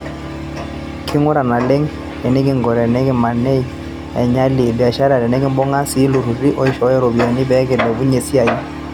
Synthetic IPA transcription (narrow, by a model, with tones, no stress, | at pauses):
kʰɪ˦ŋʊ˦ɾa˨na˨le˦ŋ | ɛ˨nɛ˦k̬ɪ˦ŋɡɔ˨ɾɛ˨nɛ˦kɪ˦ma˨nɛ˦i˨ | ɛ̰˨ɲa˦li˨dɛ˨a˨ʃa˦ɾa˨ɾɛ˨nɛ˦kɪ˦mbɔ˦ŋa˦si˨˦lu˨ɾu˨ɾi˦ʔɔ˦i˦ʃɔ˦jɛ˦ɾɔ˨bi˨a˨ni˦bɛ˦kɛ˨dɛ˨bu˦ɲe˨si˦a˨ji˦